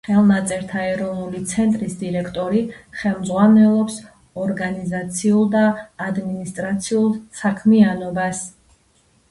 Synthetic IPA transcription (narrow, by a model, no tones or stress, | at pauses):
χɛlˠnat̪sʼɛɾt̪ʰaɛɾɔvnulit̪sʰɛnt̪ʼɾisd̪iɾɛkʰt̪ʼɔɾiχɛlˠmd̪zʁwanɛlˠɔps | ɔɾɡanizat̪sʰiulˠd̪aːd̪minist̪ʼɾat̪sʰiulˠsakʰmianɔbas